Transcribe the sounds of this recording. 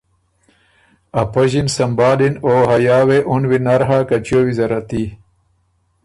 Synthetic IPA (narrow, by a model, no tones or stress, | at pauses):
ɐpɐʑinsɐmbaːlinoːɦɐjaːweʔunwinɐɾɦakɐt͡ɕowizɐɾɐt̪i